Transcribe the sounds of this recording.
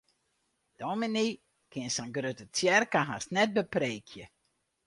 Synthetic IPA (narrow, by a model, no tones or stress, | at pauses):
d̥omini | kʰɪnsaŋɡrøtətjɛrkaɦasnɛt̚bəpreːkʰjə